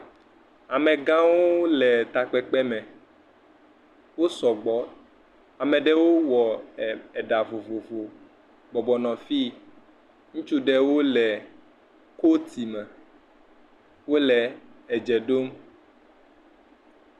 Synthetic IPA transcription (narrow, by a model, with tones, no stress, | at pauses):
a˨mɛ̃˨ɡã˦wo˦lɛ˨t̪a˨k͡pɛ˦k͡pɛ˦mɛ̃˨ | wo˦sɔ˨ɡ͡bɔ˦ | a˨mɛ̃˨ɖɛ˦wo˦wɔ˨ɛ˨ɖa˨vo˨vo˨vo˨ | ɡ͡bɔ˨bɔ˨nɔ̃˨fi˦ | ŋũ˦t͡ʃu˦ɖɛ˦wo˦lɛ˨ | ko˦t̪ʰi˨mɛ˨ | wo˦lɛ˨ɛ˨d͡ʒɛ˨ɖo˦m